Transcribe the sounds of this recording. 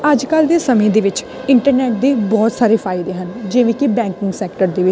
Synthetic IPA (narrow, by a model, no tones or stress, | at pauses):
əd͡ʒkəld̪eːsəmẽːd̪eːʋɪt͡ʃ | ɪɳʈəɾnɛːʈ̚d̪eːbɔːt̪saːɾeːpʰaːɪd̪eːɦənd͡ʒeːʋẽːkɪbɛ̃ːŋkɪ̃ŋɡsɛːk̚ʈəɾd̪eːʋɪt͡ʃ